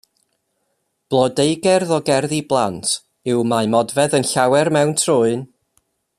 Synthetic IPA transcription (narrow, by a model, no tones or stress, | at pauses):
b̥lˠɔdejɡɛrðɔɡɛrðiblˠantʰ | ɪwmaɨmɔdvɛðənɬawɛrmɛwntʰrʊɨn